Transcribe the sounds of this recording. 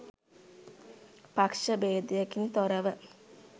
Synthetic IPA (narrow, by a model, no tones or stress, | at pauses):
pakʂəbeːd̪ijəkint̪oɾəʋə